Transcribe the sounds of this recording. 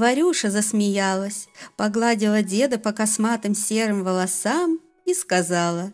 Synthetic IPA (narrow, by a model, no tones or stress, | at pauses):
vɐɾʲuʂəzəsmʲɪjalˠəsʲpɐɡlˠadʲɪlˠədʲe̞d̪əpəkɐsmat̪ɨmsʲe̞ɾɨmvəlˠɐsam | iskɐzalˠə